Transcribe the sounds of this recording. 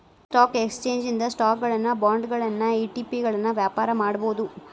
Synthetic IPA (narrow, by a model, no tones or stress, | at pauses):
sʈaːkekst͡ʃe̞ːɲd͡ʒind̪ɐsʈaːkɡɐɭɐnːɐbaːɳɖɡɐɭɐnːɐiːʈiːpiɡɐɭɐnːɐʋjaːpaːɾɐmaːɽɐboːd̪u